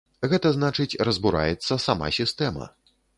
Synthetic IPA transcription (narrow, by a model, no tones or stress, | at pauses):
ɣɛt̪ɐznat͡ʂɨt͡sʲrɐzbuɾa̰jɛt̪sːɐsama̰sʲist̪ɛmɐ̰